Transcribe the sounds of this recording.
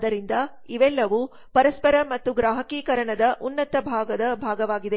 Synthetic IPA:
d̪ɐɾind̪ɐ | iʋɛlːɐʋu | pɐɾɐspɐɾɐmɐt̪ːuɡɾaːɦɐkiːkɐɾɐɳɐd̪ɐʔunːɐt̪ɐbʱaːɡɐd̪ɐbʱaːɡɐʋaːɡid̪e̞

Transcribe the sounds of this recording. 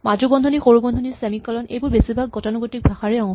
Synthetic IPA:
mad͡ʒubɔndʱɔnixoɹubɔndʱɔnisemikːɔlɔnḛjbʊɹbesibʱaɡ̚ɡɔtɔnɔɡotik̚bʱaxaɹɛɔ̃ŋ

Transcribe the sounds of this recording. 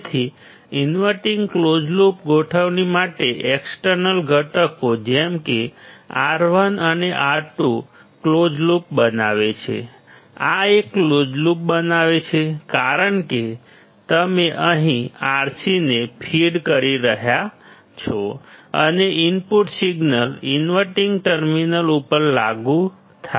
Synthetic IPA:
t̪ʰi | inʋəɾʈiŋɡklod͡ʒlupɡoʈʰəʋnimaʈeʔeksʈəɾnəlɡʱəʈəkod͡ʒɛmkeaɾʋənəneʔaɾʈu | klod͡ʒlup̚bənaʋet͡ʃʰḛ | a̰ekːlod͡ʒlup̚bənaʋet͡ʃʰekaɾəɳke | t̪əmeʔəɦĩaɾsinepʰiɖkəɾiɾəɦja | t͡ʃʰoə̰neimpuʈsiɡnəlinʋəʈiŋɡʈəɾminəlupəɾla̰ɡũ | t̪ʰa

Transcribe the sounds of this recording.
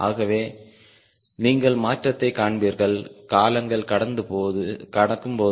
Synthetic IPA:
ʔa̰ːɣɐʋeː | niːŋɡɐɭmaːʈrɐt̪ːɐɪkaːɳbiːɾɣɐɭkaːlɐŋɡɐɭkɐɽɐnd̪ɯpokɐɽɐkːɯmpoː

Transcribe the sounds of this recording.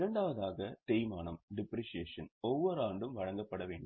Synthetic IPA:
ɾɐɳɖaːʋɐðaːɣɐt̪ejmaːnɐmɖɪpːɾiʂɪjeːʂɐnɔʋːɔɾaːɳɖɯmʋɐɻɐŋɡɐpːɐɽɐʋeːɳɖɯ

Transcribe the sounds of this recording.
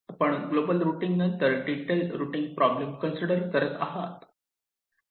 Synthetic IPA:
pəɳɡloːbəlɾuːʈiŋɡnɐnt̪əɾɖiʈelɾuʈiŋɡ̚pɾɔblemkənsiɖəɾt̪əɾət̪a̰ɦa̰t̪

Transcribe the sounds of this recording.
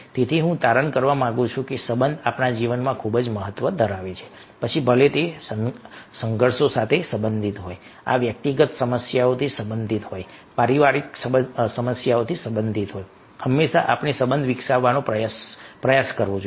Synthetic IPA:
t̪et̪ʰiɦũt̪aɾəɳkəɾʋamãɡũt͡ʃʰũkesəbənd̪ʱapnad͡ʒiʋənmãkʰubd͡ʒməɦət̪ʋəd̪ʱəɾaʋet͡ʃʰe̥ | pət͡ʃʰibʱəlet̪esəsəŋɡʱəɾsosat̪ʰesəbənd̪ʱit̪ɦoj | a̰ʋjək̚t̪iɡət̪səməsjaot̪ʰisəbənd̪ʱit̪ɦojpaɾiʋaɾiksəəsəməsjaot̪ʰisəbənd̪ʱit̪ɦoj | həmːeʃaʔapnisəbənd̪ʱʋɪksaʋːanõpɾəjspɾəjaskəɾʋõd͡ʒo

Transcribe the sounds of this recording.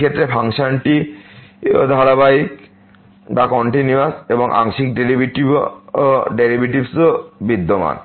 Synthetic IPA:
kʰet̪ːɾepʰaŋʃanʈi | d̪ʱaɾabaik | bakɔɳʈiniaseboŋʔa̰ŋʃik̚ɖeɾibʱiʈib | ɖeɾibiʈibsobid̪ːoma̰n

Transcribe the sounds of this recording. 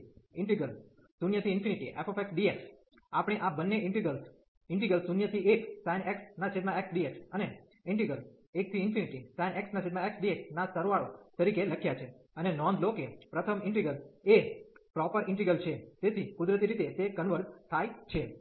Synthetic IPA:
ɪɳʈiɡəl | sunjət̪ʰiːnfʰiniʈḭʔḛfʰɔfeksɖieks | apɽ̃eʔabənːeɪɳʈiɡəls | ɪɳʈiɡəlsunjət̪ʰiʔeksajneksnat͡ʃʰed̪mãeksɖieksəne | ɪɳʈiɡəl | ek̚t̪ʰiːnpʰiniʈisajneksnat͡ʃʰed̪maeksɖieksnasəɾʋaɭot̪əɾikeləkʰjat͡ʃʰe | ənenɔnlokepɾət̪ʰəmɪɳʈiɡəlepɾɔpəɾʔɪ̃ɳʈiɡəlt͡ʃʰet̪et̪ʰikʊd̪ɾət̪̬iɾit̪et̪ekənʋəɾst̪ʰajt͡ʃʰe

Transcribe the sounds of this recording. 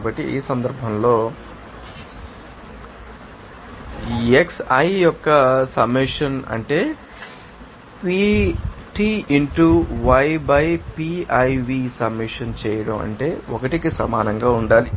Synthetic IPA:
bɐʈːḭʔḭːsɐnd̪ɐɾbʱɐmlo̞ː | eksɐjjɔkːɐsɐbmiʂɐnɐ̰ɳʈe̞ː | piʈiːiɳʈuʋɐjbɐjpiɐjʋiːsɐbmiʂɐnt͡ʃɛːjɐɽɐmɐ̰ɳʈe̞ːɔkɐʈikisɐmaːnɐŋɡaːuɳɖaːli

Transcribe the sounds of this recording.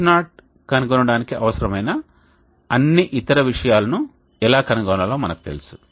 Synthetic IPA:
naːʈ̚ | kɐnuɡonɐɽaːnikiʔɐʋɐsɐɾɐmɐjnɐ | ɐnːiʔit̪ɐɾɐʋiʂɐjaːlɐnu | ɛlaːkɐnuɡɔːnɐlo̞ːmɐnɐku̥t̪elusu̥

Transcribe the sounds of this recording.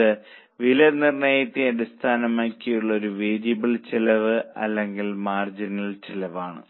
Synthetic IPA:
ɨ | ʋilɐnirɳɐjɐt̪ːiɐɽist̪ʰaːnɐmaːkʲːijuɭːɐo̞ɾuʋeːd͡ʑibilt͡ɕilɐʋɨɐ̰lːe̞ŋɡilmaːrd͡ʑinɐlt͡ɕilɐʋaːɳɨ̰

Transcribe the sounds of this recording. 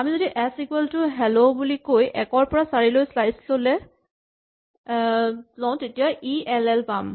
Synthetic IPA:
amizodiʔɛsikwɛltʊɦɛlobulikojʔɛkɔɹpɔɹasaɹilojslajslolɛ | zɔ̃ʊ̃tetijaʔiɛlɛlpam

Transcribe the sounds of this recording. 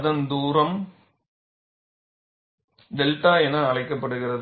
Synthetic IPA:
ðɐnd̪uːɾɐm | d̪ɛlʈaːɛnɐːɭɐɪkːɐpːɐɽɯɣɪrɐð

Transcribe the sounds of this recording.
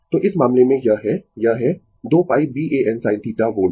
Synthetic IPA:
t̪oːʔɪsmaːmlemẽjɐɦɛjɐɦɛ | d̪oːpaːip̚biːʔeːʔɛnsaːɪ̃nt̪iːʈaʋoː

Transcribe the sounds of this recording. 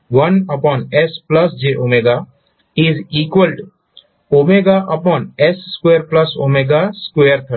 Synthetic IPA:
wɐ̃nəpɔ̃nɛsplɐsd͡ʒeʔomeɡa | iziːkwəlɖ | oːmeɡaʔɐpɔːnɛsskweːəɾplɐso̰meɡaskweəɾt̪ʰə

